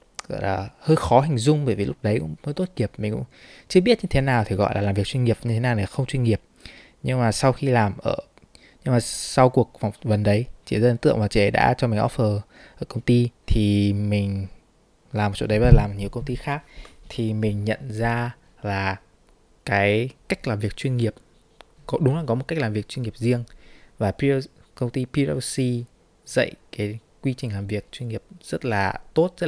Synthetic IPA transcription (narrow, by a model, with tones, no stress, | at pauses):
ɣɔ̰˧˨jlaː˨˩həː˧jxɔ˨˦ɦï˨˩ŋ̟zʊ˧ŋ͡mɓəː˧˩jvi˨˩lʊ˦˥k͡p̚ɗə˨˦jkʊ̰˧˥ŋ͡mməː˧˦jt̪o˦˥t̚ki˨˩əp̚mï˨˩ŋ̟kʊ̰˧˥ŋ͡mt͡ɕɨ˧əɓi˦˥ət̚ɲɨ˧t̪ʰe˨˦naː˨˩wt̪ʰi˨˩ɣɔ̰˧˨jlaː˨˩lːaː˨˩mvi˨ək̚t͡ɕwi˧ŋi˨˩əp̚ɲɨ˧e˨˦naː˨˩wnɛ˨˩a˨xə˧ŋ͡mt͡ɕwi˧ŋ̟ŋi˨˩əp̚ | ɲɨ˧ŋmaː˨˩sa˧wxi˧laː˨˩mʔəː˧˩ | ɲɨ˧ŋmaː˨˩sa˧wku˨˩ək̚fa˨˩wŋ͡mvə˨˩nɗə˨˦jt͡ɕḭ˧˨zaː˧˨˦nt̪ɨ̰˧˨əŋvaː˨˩t͡ɕḭ˧ʔə˨˦jɗa̰ː˧˥t͡ɕɔ˧mï˨˩ŋ̟ʔɔ̰˦˥f̚fəː˨˩ | ʔəː˧˩kə˧wŋ͡mt̪i˧t̪ʰi˨˩mï˨˩ŋ̟ | laː˨˩mo˨˩t̚t͡ɕo̰˧˥ɗə˨˦ɓa˨laː˨˩m̚˨˩ɲi˨˩əwkə˧wŋ͡mt̪i˧xaː˦˥k̚t̪ʰi˨˩mï˨˩ŋ̟ɲə̰˧˨nzaː˧ | laː˨˩ | kaː˨˦jka˦˥jk̟̚laː˨˩mvi˨˩ək̚t͡ɕwi˧ənŋi˨˩əp̚ | kɔ˨˦ɗʊ˨˦ŋ͡mlaː˨˩kɔ˨˦mo˨˩t̚ka˦˥k̚laː˨˩mvi˨˩ək̚t͡ɕwi˧nŋi˨˩əp̚zi˧əŋvaː˨˩pi˧ | kə˧wŋ͡mt̪i˧pi˧ɔ˧si˧ | zə̰˧˨jkaː˨˦j | kwi˧t͡ɕï̟˨˩laː˨˩mvi˨˩ək̚t͡ɕwi˧nŋi˨˩əp̚z̥ə˦˥t̚laː˨˩t̪o˦˥t̚zə˦˥t̚